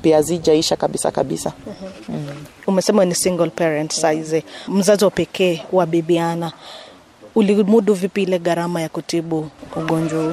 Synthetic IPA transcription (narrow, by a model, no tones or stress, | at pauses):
piazid͡ʒaiʃakaɓisa̰kaɓḭsa | umɛsɛmanisiŋɡɔlpɛɾɛntsaizɛm̩zaziwapɛkʰɛːwaɓiɓiana | ulimuɗuvipiilɛɠaɾamajakutiɓuːɠɔnd͡ʒwahu